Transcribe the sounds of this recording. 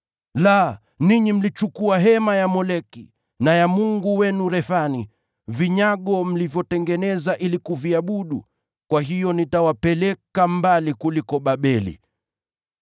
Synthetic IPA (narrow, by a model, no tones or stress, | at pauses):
la | niɲim̩lit͡ʃukuaɦɛmajamɔlɛkḭ | najamuŋɡuwɛnuɾɛθani | viɲaɠɔm̩livjɔtɛŋɡɛnɛzaʔilikuviaɓuɗu | kwaɦijɔnitawapɛlɛkambalikulikɔɓaɓɛlḭ